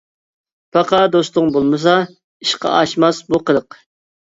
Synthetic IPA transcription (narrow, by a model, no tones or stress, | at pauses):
pʰɑqɑd̪ost̪ʊŋbolˠmɨs̬ɑ | iʃqɑ̰ɑʃmɑsbuqəd̪əq